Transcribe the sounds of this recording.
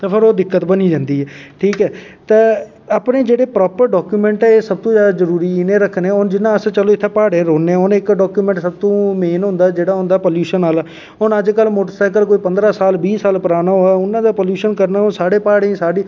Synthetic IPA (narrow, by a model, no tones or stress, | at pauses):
t̪epʰɪɾoːd̪ɪkːət̪bəniːd͡ʒãːnd̪iːɦɛːʈʰiːkɛːt̪e | aːpnẽːd͡ʒeːɽeːpɾɔːpəɾɖɔːkjuːmɛ̃ːɳʈɛːeːsəb̚t̪õːzjaːd̪aːzəɾuːɾiːɪnẽːɾəkʰːnɛ̃ːɦʊnd͡ʒɪnãːəst͡ʃəloːɪt̪ʰːeːpaːɽẽːɾoːnẽːɦʊnɪkɖɔːkjuːmɛ̃ːɳʈsəb̚t̪õːmeːnɦʊ̃nd̪aːd͡ʒeːɽaːɦʊ̃nd̪aːpoːljuːʃənaːlː | ɦʊnəd͡ʒkəlmoːʈəɾsaːɪk̬əlkoːiːpənd̪ɾaːsaːlbiːsaːlpəɾaːnaːɦoːɛːʊnːãːd̪aːpoːljuːʃənkəɾnaːɦʊnsaːɽeːpaːɽeĩːsaːɖiː